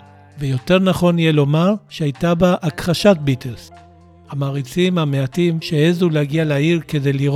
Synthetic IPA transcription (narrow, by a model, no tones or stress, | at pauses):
vejo̞te̞ʁnaχo̞nijelo̞maʃehajtabaʔːkχaʃat̚bitʰels | hamaːʁit͡simhameatimʃeezuleaɡialaiʁke̞dejliʁ